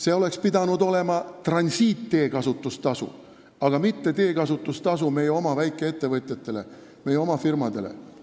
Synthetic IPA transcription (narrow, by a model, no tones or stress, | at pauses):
se̞o̞le̞kspid̪ɑnud̪o̞le̞mɑt̪rɑnʲsiːt̪ːe̞ːkɑsut̪ːˑust̪ɑsṵ | ɑɡ̥ɑmit̪ːe̞t̪e̞ːkɑsut̪ːˑust̪ɑs̬ume̞jeo̞mɑvæjkːˑe̞e̞t̪ːe̞vɤt̪ʲˑjɑt̪ːˑe̞le̞̰ | me̞jeo̞mɑfirmɑd̪e̞le̞̰